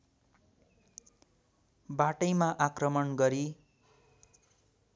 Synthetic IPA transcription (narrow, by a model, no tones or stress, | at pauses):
baʈʌjmaʔakrʌmʌnɡʌɾi